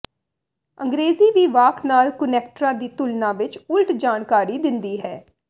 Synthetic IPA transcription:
ə̃ŋɡɾeːziːʋiːʋaːkʰnaːlkʊnɛːk̚ʈəɾãːd̪iːt̪ʊlnãːʋɪt͡ʃʊlʈd͡ʒaːnkaːɾiːd̪ɪnd̪iːɦɛː

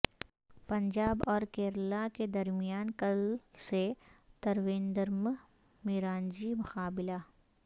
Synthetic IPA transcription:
pɐ̃ɲd͡ʒaːbɔːɾkeːɾlaked̪ɐɾmɪjaːnkɐlset̪ɐɾʋẽːnd̪əɾm | mɪɾaːnd͡ʒimʊxaːbɪla

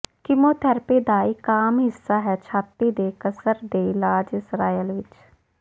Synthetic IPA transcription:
kɪmoːt̪ʰɛːɾpeːd̪aːɪkaːmɦɪsːaːɦɛːt͡ʃʰaːp̪iːd̪eːkəsəɾd̪eːɪlaːd͡ʒɪsɾaːjəlʋɪt͡ʃ

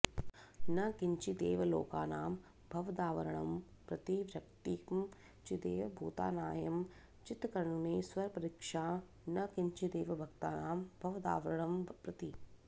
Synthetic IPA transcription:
nɐkiɲt͡ʃid̪eːʋɐlo̰ːkaːnaːm | bʱɐʋɐd̪aːʋɐɾɐɳɐm | pɾɐt̪iʋɾɐkt̪iːkm | t͡ʃid̪eːʋɐbʱuːt̪a̰ːnaːjɐm | t͡ʃit̪kɐɾɐɳuneːsʋɐɾɐpɐɾikʂaː | nɐkiɲt͡ʃid̪eːʋɐbʱɐkt̪aːnaːmbʱɐʋɐd̪a̰ːʋɐɾɐɳɐmpɾɐt̪i

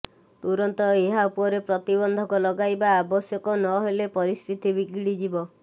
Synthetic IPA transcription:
t̪uɾɔnt̪ɔeɦaupɔɾepɾɔt̪ibɔnd̪ʱɔkɔlɔɡajbaːbɔsjɔkɔnɔɦelepɔɾist̪ʰit̪ibiɡiɽid͡ʒibɔ

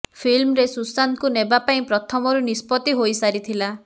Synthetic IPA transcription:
pʰilmɾesusankunebapaĩpɾɔt̪ʰɔmɔɾunispɔt̪iɦojsaɾit̪ʰila

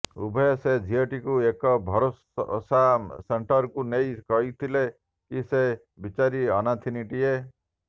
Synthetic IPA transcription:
ṵbʱɔesed͡ʒʱiɔʈikuekɔbʱɔɾos | saseɳʈɔɾkunejkɔɦit̪ʰile | kise | bit͡ʃaɾiɔnat̪ʰiniʈie

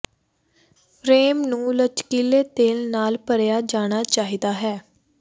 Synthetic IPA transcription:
pʰɾeːmnũːlət͡ʃkiːleːt̪eːlnaːlpəɾjaːd͡ʒaːɽ̃aːt͡ʃaːɦiːd̪aːɦɛː

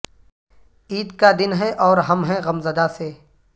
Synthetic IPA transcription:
iːd̪kad̪ɪnɦɛ̃ʔɔːɾɦɐmɦɛ̃ɣɐmzəd̪aseː

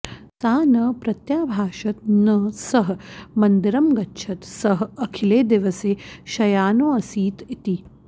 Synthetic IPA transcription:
t̪aːnɐpɾɐt̪jaːbʱaːʃɐt̪̚nɐsɐɦmɐnd̪iɾɐmɡɐtːʃʰɐt̪sɐɦɐkʰileːd̪iʋɐseːʃɐjaːnoːɐsiːt̪it̪i

